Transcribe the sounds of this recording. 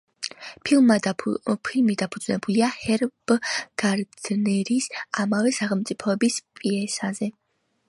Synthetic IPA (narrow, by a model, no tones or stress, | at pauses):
pʰilmad̪apʰilmid̪apʰud̪znɛbuliahɛɾb̥ɡ̥aɾd̪̥nɛɾisamavɛsaχɛlˠmt̪sʼipʰɔɛbispʼiɛsazɛ